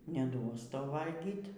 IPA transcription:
nʲɛˈduɔs ˈtɐʊ ˈʋɐlʲɡʲiːt

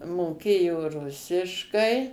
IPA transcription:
moːˈkʲeːjoː ˈrʊsʲɪʃkɐɪ

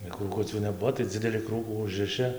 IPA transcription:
ɪr kruːˈkʊt͡sʲuː nʲɛˈbuɔ tɐɪ ˈd͡zʲɪdʲɛlʲɪ ˈkruːkuː ˈʊʒrɨʃɨ

